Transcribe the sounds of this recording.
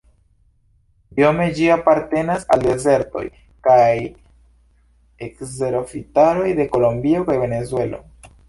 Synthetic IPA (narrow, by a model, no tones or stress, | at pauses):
io̞me̞d͡ʒiapaɾte̞nasa̰lde̞ze̞ɾto̞̰j | kaj | ekze̞ɾo̞fitaɾo̞jde̞ko̞lo̞mbio̞kajve̞ne̞zue̞lo̰